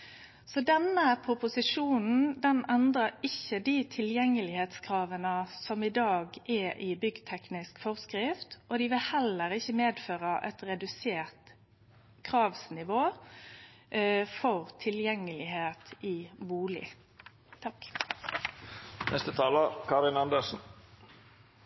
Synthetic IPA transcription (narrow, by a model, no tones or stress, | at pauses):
sɔd̪ɛnːəpʰɾʊpʊsɪʂuːnn̩d̪ɛnɛnd̪ʁəɾɪçːəd̪it̪ʰɪljɛŋːəlɪheːt̪skʰɾɑːʋənəsɔmɪd̪ɑːɡɛʔɪbʏɡt̪ʰɛknɪskfɔʁskɾɪft̪ɔd̪ɪʋɪlhɛlːəɾɪçːəmeːd̪føːʁəʔɛt̪ɾɛd̪ʉseːʁt̪ | kʰʁɑːʋsnɪʋoː | fɔʁt̪ʰɪljɛŋːəlɪheːt̪iːbuːlɪ̰ | t̪ʰɑk | nʔɛ̰st̪ət̪ʰɑːləkʰɑɾɪnɑnd̪əsn̩